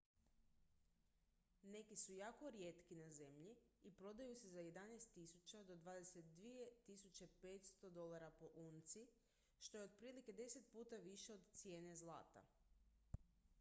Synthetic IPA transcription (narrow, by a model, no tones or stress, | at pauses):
ne̞kisujaːko̞ɾjet̪kinaze̞mʎiipɾo̞d̪ajusezaje̞d̪anajst̪ːisut͡ɕad̪o̞d̪ʋaːd̪ese̞t̪̚d̪ʋije̞t̪isut͡ɕe̞pe̞t̪st̪o̞d̪o̞lˠaɾapo̞ʔuːnt̪si | ʃt̪o̞jeo̞d̪̚pɾiːlike̞d̪e̞se̞t̪̚puːt̪aʋiʃe̞o̞d̪t̪sje̞ːne̞zlˠa̰ːt̪a̰